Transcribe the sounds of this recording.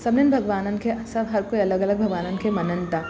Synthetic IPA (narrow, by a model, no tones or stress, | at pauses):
sɐbnenbʱɐɡʋaːnənkʰesɐbɦɐɾkoiɐləɡɐləɡ̚bʱɐɡʋaːnənkʰemɐnənt̪a